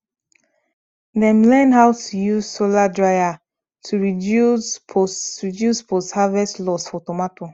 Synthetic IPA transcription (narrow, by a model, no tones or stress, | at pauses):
dɛ̃mlɛ̃nɦaʊtʰujuz̥soladɹaɪa | tʰuɹidjuspoɹidjuspɔsthavɛslɔsfɔtɔmatʰo